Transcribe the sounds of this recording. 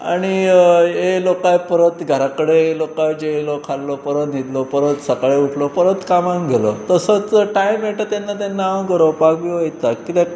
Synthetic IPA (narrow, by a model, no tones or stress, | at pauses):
a̰ɽ̃iɦelokajpəɾət̪ɡʱəɾakəɽeelokajd͡ʑelokʰallopəɾət̪nid̪lopəɾət̪səkɭeuʈʰlopəɾət̪kamãŋɡʱelot̪əsət͡sʈajmeʈət̪anːat̪enːawɡəɾəʋpaɡbiojt̪akit̪e